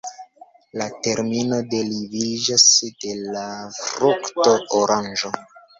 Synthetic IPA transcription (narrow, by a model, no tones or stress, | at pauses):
late̞ɾmino̞de̞livid͡ʒasd̥e̞lafɾuktooɾand͡ʒo̞